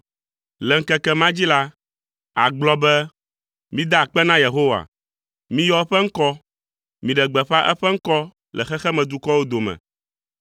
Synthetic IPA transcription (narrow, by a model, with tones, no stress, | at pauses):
lɛ˨ŋ̩˦˨kɛ˦kɛ˦mã˦d͡ʑi˦la˦ | a˨ɡ͡blɔ˦bɛ˦ | mĩ˦d̪a˦˨k͡pɛ˦nã˦je˨ɦo˦wa̰˨ | mĩ˦jɔ˦ɛ˦ɸɛ˦ŋ̩˦kɔ˦ | mĩ˨ɖɛ˨ɡ͡bɛ˨ɸa˦ʔɛ̰˦ɸɛ˦ŋ̩˦kɔ˦ | lʔɛ˨xɛ˦xɛ˦mɛ̃˨d̪u˦kɔ˦wo˦d̪o˨mɛ̰̃˨